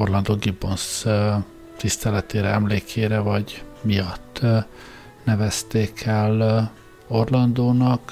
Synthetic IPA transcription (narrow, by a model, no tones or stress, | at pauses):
orlɒnd̪oːɡibons | t̪ist̪ɛlɛt̪eːɾɛɛmleːkʰeːɾɛvɒɟmijɒt̪ː | nɛvɛst̪eːkʰɛl | o̞rlɒnd̪oːnɒk